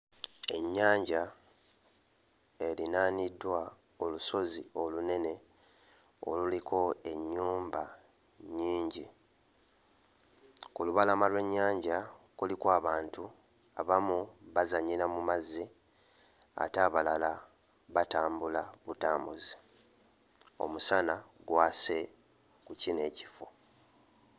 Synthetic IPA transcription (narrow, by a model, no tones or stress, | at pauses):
e̞ɲːaːɲɟa | e̞linaːnidːwa | o̞luso̞zio̞lune̞ne̞ | o̞̰lulikʰo̞e̞ɲːuːmba | ɲiːɲɟi | kuluβalamalwe̞ɲːaːɲɟakulikwaːβaːntu | aβamuβazaɲiɾamumazːi | a̰taːβalala | βataːmbulaβutaːmbuzi | o̞̰musanaɡwase̞ | kucine̞ːci̥fo̞